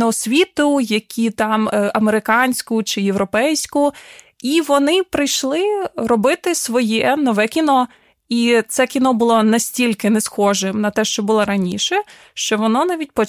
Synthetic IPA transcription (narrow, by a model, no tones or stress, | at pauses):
nɐɔsʲʋʲit̪ʊjɐkʲʰit̪ɑmɐmeɾɪkɑnʲsʲkʊt͡ʃɪjewɾɔpɛjsʲkʊiʋɔnɪpɾɪjʃlˠɪrɔbɪt̪ɪsʋɔjɛnɔʋɛkʲinɔ | it̪sɛkʲinɔbʊlˠɔnɐsʲtʲilʲkɪnɛsxɔʒɪmnɐt̪ɛʃt͡ʃɔbʊlˠɔɾɐnʲḭʃɛ | ʃt͡ʃɔʋɔnɔnɑʋʲit̚ʲpɔ